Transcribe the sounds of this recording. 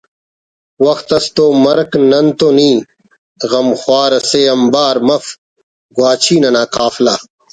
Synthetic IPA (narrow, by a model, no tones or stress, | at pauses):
wɐxt̪ɐst̪oːmɐɾknɐnt̪onĩː | ɣɐmxwaːɾɐseːɐmbaːɾmɐf | ɡwaːt͡ɕʰiːnɐnaːkaːflaː